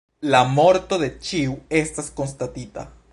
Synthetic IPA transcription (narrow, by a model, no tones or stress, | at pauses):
lamo̞ɾt̪o̞ðe̞t͡ʃiue̞stasko̞ns̬tat̪ita̰